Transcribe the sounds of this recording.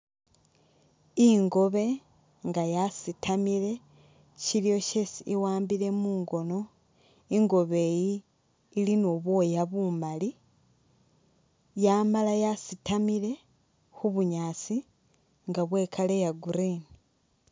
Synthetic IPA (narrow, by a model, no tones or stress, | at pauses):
iŋɡo̞βe̞ | ŋɡajasitʰamiɾe̞ | ciɾijo̞cesiiwaːmbiɾe̞muːŋɡo̞no̞ | iŋɡo̞βe̞ːjiː | linoːβwoːjaβumali | jaːmalajasitamiɾe̞ | xuβuɲaːt͡si | ŋɡaβwe̞ːkʰale̞jaɡuɾiːni